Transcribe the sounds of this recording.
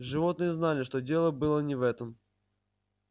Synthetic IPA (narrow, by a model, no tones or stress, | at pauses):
ʐɨvo̞t̪nɨjəznalʲɪʂt̪odʲe̞lˠəbɨlˠənʲɪvɛt̪əm